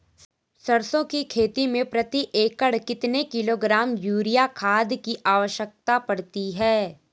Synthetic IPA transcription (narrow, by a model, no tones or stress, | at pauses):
sɐɾsõkikʰeːt̪imẽpɾɐt̪iʔeːkəɽkɪt̪nekɪloːɡɾaːmjuːɾijakʰaːd̪kiʔaːʋəʃjək̚t̪apɐɽt̪iɦɛː